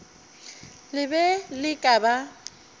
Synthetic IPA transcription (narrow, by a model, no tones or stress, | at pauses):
lɪbɛlɪkʼaba